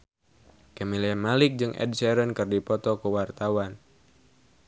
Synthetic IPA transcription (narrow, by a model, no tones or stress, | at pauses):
kɛmiliamalɪk̚d͡ʒɨŋʔɛ̰d̚sɛɾənkɨrdipɔt̪ɔkuwart̪awan